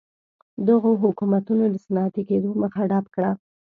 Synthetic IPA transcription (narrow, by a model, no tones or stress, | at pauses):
d̪əɣoɦʊkumat̪unod̪əsanɑat̪eked̪oməxaɖapkɽa